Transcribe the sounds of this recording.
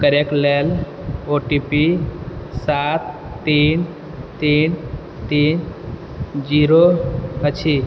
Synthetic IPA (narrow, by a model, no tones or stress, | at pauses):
kəɾeklel | oʈipi | sat̪ː | iːn | t̪in | t̪in | d͡ʒiɾoət͡ʃʰi